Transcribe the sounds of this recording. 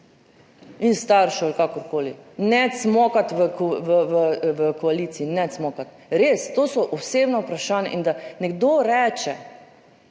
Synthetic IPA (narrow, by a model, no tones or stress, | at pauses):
inst̪aɾʃɔalkakɔɾkoːlinɛt̪smɔːkat̪ʋəkʋəʋəʋəkɔaliːt̪siinɛt̪smɔkat̪ | ɾeːst̪oːsɔʔɔseːbnɔupɾaʃaːnja̰ʔind̪anɛɡd̪oːɾɛːt͡ʃɛ